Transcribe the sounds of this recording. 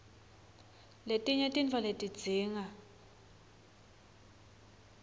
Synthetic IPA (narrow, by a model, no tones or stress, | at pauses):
letʼiɲɛtʼint͡fʰɔletʼid̥d͡z̥ʱiːŋa